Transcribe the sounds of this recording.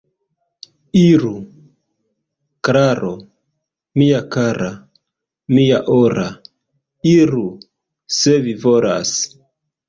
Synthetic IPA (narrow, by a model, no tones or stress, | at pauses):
iɾu | kɾaɾo̞ | miakaɾʔa | miaʔoɾʔa | iɾu | sevivola̰s